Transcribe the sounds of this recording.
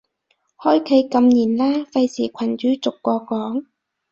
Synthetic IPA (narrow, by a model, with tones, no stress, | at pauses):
hɔː˥jkʰe˨˥jkɐ˧mniː˨˩nlaː˥fɐ˧jsiː˨˩kʷʰɐ˨˩nt͡ʃyː˨˥t͡sʊ˨kːɔː˧kɔː˨˥ŋ